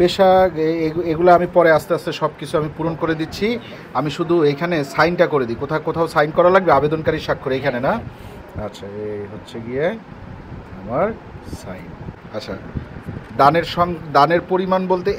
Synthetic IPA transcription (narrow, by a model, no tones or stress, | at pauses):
beʃaeeɡulaamipɔɾeast̪east̪eʃɔb̚kit͡ɕʰuamipuɾonkoɾed̪itːɕʰi | amiʃud̪ʱuejkʰanesajnʈakoɾed̪ikot̪ʰakot̪ʰaosajnkɔɾalaɡ̚beabed̪onkaɾiɾʃakʰːoɾeejkʰanena | atːɕʰaeɦotːɕʰeɡije | a̰maɾ | sa̰jn | atːɕʰa̰ | d̪aneɾʃɔŋd̪aneɾpoɾimanbolt̪e